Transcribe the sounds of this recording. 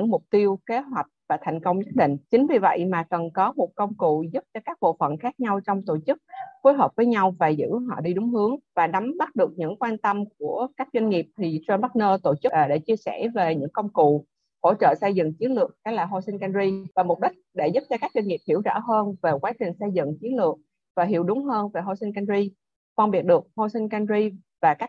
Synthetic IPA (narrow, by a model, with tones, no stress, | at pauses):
ɨ˧˥ŋmʊ˨˩k͡p̚t̪i˧əwke˨˦ɦwa˨˩jk̟̚vaː˨˩t̪ʰa˨˩jŋ̟kə˧wŋ͡mɲə˦˥t̚ɗḭ̈˧˨ŋ̟t͡ɕï˨˦ŋ̟vi˨˩və̰˧˨jmaː˨˩kə˨˩nkɔ˨˦mo˨˩t̚kə˧wŋ͡mkṵ˧˨zu˦˥p̚t͡ɕɔ˧kaː˦˥k̚ɓo̰˧˨fə̰˧˨nxaː˦˥k̚ɲa˧wt͡ɕɔ˧wŋ͡mt̪o˧˩t͡ɕɨ˦˥k̚fo˨˦jɦəː˨˩p̚vəː˨˦jɲa˧wvaː˨˩zɨ̰˧˥ɦɔ̰˧˨ɗi˧ɗʊ˨˦ŋ͡mhɨ˨˦əŋvaː˨˩ɗa˨˦mɓa˦˥t̚ɗɨ˨˩ək̚ɲɨ̰˧˥ŋkwaː˧nt̪ə˧mk̚u˧˩əkaː˦˥k̚zwa˧ŋ̟ŋi˨˩p̚t̪ʰi˨˩tːnɓa˦˥t̚nəː˧t̪o˧˩t͡ɕɨ˦˥ʔɗḛ˧˩t͡ɕi˧əsɛ˧˩ve˨˩ɲɨ̰˧˥ŋkə˧wŋ͡mkṵ˧˨ | ho̰˧˥t͡ɕə̰ː˧˨sə˧jzɨ̰˧˨ŋt͡ɕi˨˦ənlɨ˨˩ək̚kɛ˨˦laː˨˩ɦo˧si˧ŋka˧nzi˧vaː˨˩mo˨˩t̚ɗï˦˥k̟̚ɗe˧˩zu˦˥p̚t͡ɕɔ˧kaː˦˥k̚zwa˧nŋi˨˩p̚hi˧˩əwzə̰ː˧˥ɦəː˧nve˨˩kwaː˨˦t͡ɕï˨˩ŋ̟sə˧jzɨ̰˧˨ŋt͡ɕi˨˦ənlɨ˨˩ək̚ | vaː˨˩ɦi˧˩əwɗʊ˨˦ŋ͡mɦəː˧nve˨˩ɦo˧si˧nŋka˧nzi˧ | fə˧nɓi˨˩ət̚ɗɨ˨˩ək̚ho˧si˧n̟ka˧nzi˧ | vaː˨˩kaː˦˥k̚